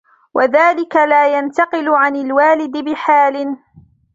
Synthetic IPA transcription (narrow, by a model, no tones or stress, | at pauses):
wʔaðaːlɪkalaːjant̪ɑqɪlʊʕanɪlwaːlɪd̪ɪbɪħaːlɪn